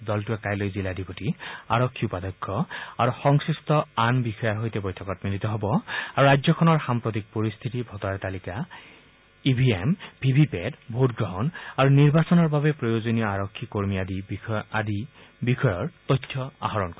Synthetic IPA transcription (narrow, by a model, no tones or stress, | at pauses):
dɔltuɛkajlojziladipotia̰ɹɔkʰːiupad̪ɔkʰːɔaɹuxɔŋsɹistɔanbixɔjaɹɦojtɛbojtʰɔkɔtmilit̪ɔɦɔbɔaɹuɹajzɔkʰɔnɔɹxampɹɔt̪̬ik̚poɹist̪ʰitibʱɔtɔaɹt̪alika | ibʱiembʱibʱipɛdbʱotɡɹɔɦɔnaɹuniɹbasɔnɔɹbaβɛpɹɔjozonijɔaɹɔkʰːikoɹmiadiadi | bixɔjɔɹt̪ɔjtʰːɔa̰ɦɔɹɔnkɔ